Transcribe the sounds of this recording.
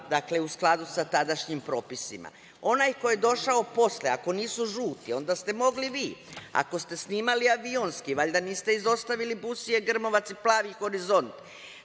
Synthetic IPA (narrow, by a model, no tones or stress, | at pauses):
d̪akle̞usklˠad̪usat̪ad̪aʃɲimpɾo̞ːpisima̰ | o̞naːjko̞jed̪o̞ʃao̞po̞sleako̞niːsuʒuːt̪io̞nd̪ast̪e̞mo̞ɡliʋiːa̰ko̞st̪e̞sniːmaliaʋio̞nskiʋaʎʲd̪aniːst̪eizo̞st̪aʋilibusie̞ɡr̩mo̞ʋat̪siplˠaːʋixo̞ɾizo̞nt̪